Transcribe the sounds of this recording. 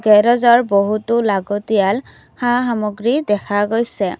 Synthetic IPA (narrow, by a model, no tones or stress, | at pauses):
ɡɛɹɔzɔɹboɦutʊlaɡɔtijal | hãxamɔɡɹidɛkʰaɡojsɛ